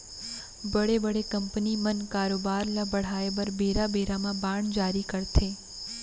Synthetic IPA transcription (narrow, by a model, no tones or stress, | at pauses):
bəɽebəɽekəmpnimənkaːɾobaːɾlabəɽ̤aebəɾbeɾabeɾamãbaːɳd͡ʒaːɾikəɾt̪ʰe